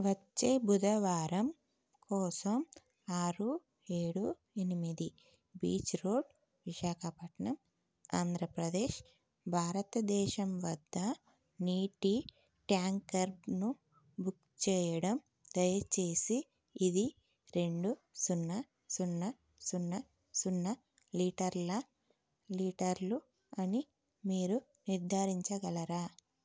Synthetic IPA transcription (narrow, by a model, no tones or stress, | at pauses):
ʋɐt͡ʃːeːbʱud̪ɐʋaːɾɐm | kɔːsɐm | aːɾu | e̞ːɽu | enimid̪i | bḭːt͡ʃɾo̞ːɖ | ʋiʃaːkɐpɐʈɳɐm | aːnd̪ʱɾɐpɾɐd̪eːʃ | bʱaːɾɐt̪ɐd̪ɛːʃɐmʋɐd̪ːɐ | niːʈi | ʈjaːŋkɐɾbnu | buk | t͡ʃɛːjɐɽɐm | d̪̥ɐjɐt͡ʃe̞ːsiː | d̪i | ɾe̞ɳɖusunːɐ | sunːɐ | sunːɐ | sunːɐ | liːʈɐɾlɐ | liːʈɐɾlu | ɐni | miːɾu | niɾd̪ʱaːɾiɲt͡ʃɐɡɐlɐɾaː